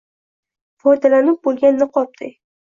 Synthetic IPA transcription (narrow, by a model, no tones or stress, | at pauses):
fɒjd̪alanɪp̚bolˠɡʲanːɪqʰɒp̚t̪ʰɪ